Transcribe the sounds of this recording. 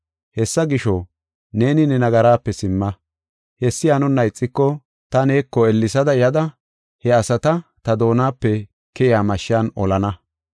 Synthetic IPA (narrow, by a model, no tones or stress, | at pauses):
hɛsːɐɡɪʃɔ | ne̞ːnɪnɛnɐɡɐɾaːpːɛsɪmːɐ | hɛsːɪjaːnʊnːɐjt͡sʼːɪkːɔ | t̪ɐne̞ːkːɔɛlːɪsɐd̪ɐjɐd̪ɐ | hɛɐsɐt̪ɐt̪ɐd̪o̞ːnaːpːɛ | kɛʔɪaːmɐʃːɪaːnɔlɐnɐ